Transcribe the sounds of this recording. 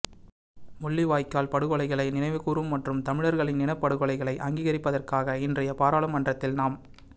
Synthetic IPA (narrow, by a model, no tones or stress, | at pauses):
mʊɭːiʋaːjkːaːlpɐɽɯɣɔɭɐɪɣɐɭɐɪnɪnɐɪʋɯkuːɾɯmːɐʈrɯmt̪ɐmɪɻɐɾɣɐɭɪnːɪnɐɪpːɐɽɯɣɔɭɐɪɣɐɭɐɪʔɐŋɡiːɣɐɾɪpːɐðɐrkaːɣɐɪndrɐjɐpaːɾaːɭɐmːɐndrɐt̪ːɪlnaːm